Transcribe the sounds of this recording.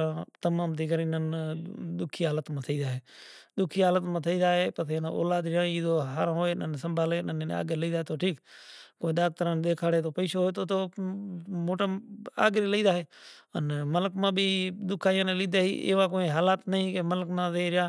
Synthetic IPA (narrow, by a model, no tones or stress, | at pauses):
ãt̪əmaːmt̪iːkəɾĩnənɗ̪ʊkʰiːɦaːlət̪mãːt̪ʰəiːd̪aːɦeːɗ̪ʊkʰiːɦaːlət̪mãːt̪ʰəiːd̪aːɦeːpət̪ʰen̰ːo̰ːlaːd̪ɾɪjãːiːd̪oːɦaːɾãːɦoːeːnə̰nsəmbʱaːleːnənːa̰ːɡeləiːd̪aːɦeːt̪oːʈʰiːkkoːĩɗ̪aːɡ̚t̪əɾaːnɗ̪eːkʰaːɽeːt̪oːpəiːsoːɦoːet̪oːt̪oː | moːʈaa̰ːɡɾiːləiːd̪aːɦeːənmələkmãːbʱiːd̪ʊkʰaːjãːnẽːliːd̪aːɦḭːʔḛːʋaːkoːĩːɦaːlaːt̪nəɦĩːkeːmələkmãːzeːɾɪjaː